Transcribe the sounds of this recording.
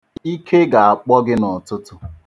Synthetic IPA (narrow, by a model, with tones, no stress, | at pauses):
i˦kʰe˦ɡa˨a˨k͡pɔ˦ɡɪ˦nɔ˨tʊ˦tʊ˦